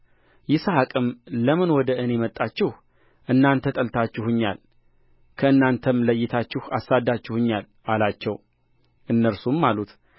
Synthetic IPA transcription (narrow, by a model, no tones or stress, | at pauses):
jɪsəhakʼɨmləmɨnwɔd̪əʔɨne̞mət̪ʼːat͡ʃːɪh | ʔɨnːant̪ʰət̪ʼəlt̪ʰat͡ʃːɪhɨɲːa̰l | kʰəɨnːant̪ʰəmləjːɪt̪ʰat͡ʃːɪha̰sːad̪ːat͡ʃːɪhɨɲːal | ʔalat͡ʃːɛw | ʔɨnːəɾsumːalut̪